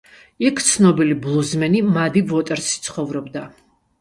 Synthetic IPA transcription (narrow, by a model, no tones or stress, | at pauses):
ikʰt̪sʰnɔbiliblˠuzmɛnimad̪ivɔt̪ʼɛɾst̪sʰχɔvɾɔbd̪a